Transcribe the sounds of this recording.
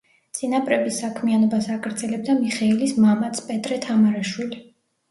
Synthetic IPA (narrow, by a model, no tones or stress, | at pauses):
t̪sʼinapʼɾɛbisakʰmianɔbasaɡʼɾd̪zɛlɛb̚d̪amiχɛilismamat̪sʰpʼɛt̪ʼɾɛt̪ʰamaɾaʃwili